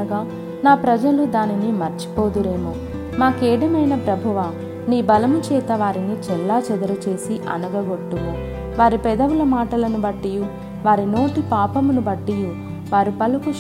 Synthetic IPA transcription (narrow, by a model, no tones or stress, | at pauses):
ɐɡaː | naːpɾɐd͡ʒɐlud̪aːninimɐɾt͡ʃi̥poːd̪uɾe̞ːmu | maːkɛːɽɐmɐjnɐpɾɐbʱɐʋa | niːbɐlɐmut͡ʃɛːt̪ɐʋaːɾinit͡ʃɛlːaːt͡ʃɐd̪ɐɾɐt͡ʃe̞ːsiʔɐ̰nɐɡɐɡoʈːumu | ʋaːɾipɛd̪ɐʋulɐmaːʈɐlɐnubɐʈːiju | ʋaːɾino̞ːʈipaːpɐmunubɐʈːiju | ʋaːɾipɐluku